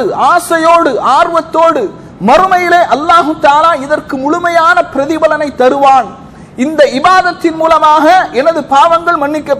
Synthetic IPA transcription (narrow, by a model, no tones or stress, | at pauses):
ɯʔaːsɐjoːɽɯʔaːrʋɐt̪ːoːɽɯ | mɐrɯmɐjɪleːʔɐlːaːɣɯt̪aːlaːɪðɐrkɯmʊɭʊmɐjaːnɐpɪɾɐðɪbɐlɐnɐɪt̪ːɐɾɯʋaːn | ɪnd̪ɐɪbaːðɐt̪ːɪnmuːlɐmaːɣɐʔɛnɐðɯpaːʋɐŋɡɐɭmɐɳːɪkːɐpː